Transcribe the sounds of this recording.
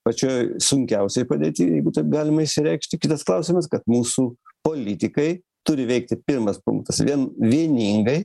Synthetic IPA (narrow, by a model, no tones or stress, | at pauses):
pɐt͡ʃʲoːjsʊŋʲkʲɛʊsʲɛɪpɐd̪ʲeːt̪ʲiːjɛɪɡʊt̪ɐɪɡɑːlʲɪmɐɪʃsʲɪɾʲɛɪkʃʲt̪ʲɪkʲɪt̪ɐsklˠɐʊsʲɪmɐskɐt̪muːsupoːlʲɪt̪ʲɪkɐɪ | t̪ʊɾʲɪʋʲɛɪk̚t̪ʲɪpʲɪrmɐspʊ̰ŋk̚t̪ɐsʋʲiɛnʋʲiɛnʲiːŋɡɐɪ